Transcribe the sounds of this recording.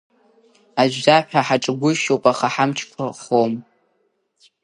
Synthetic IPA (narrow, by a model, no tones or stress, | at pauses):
aʒʷᶣzaħᶣaħaʈ͡ʂʼɨɡʷʊʃowpʼaχaħamt͡ʃʰkʷʰaχom